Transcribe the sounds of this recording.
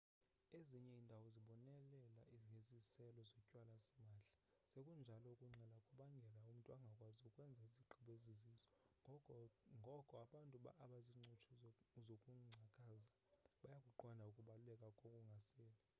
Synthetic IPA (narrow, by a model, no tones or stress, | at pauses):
eziɲɛindʼʱawɔziɓɔnɛlɛlaŋɡʱezisɛlɔzɔcʼwalasɛmaːɬḁsekʼund͡ʒʱalɔukʼuŋ͡ǀʱɛlakʼuɓaŋɡʱɛlaum̩tʼuaŋɡʱakʼwaziukʼwɛnd͡zʱaiziǃʰʱiɓɔezizisɔ̥ | ŋɡʱɔkʼɔaɓantʼuɓa̰ʔːɓaziŋ͡ǀʱot͡ʃʰɔzokʼuŋ͡ǀʱakʼaːza | ɓajakʼuǃwandʱaukʼuɓalulɛkʼakʼokʼuŋɡʱasɛːla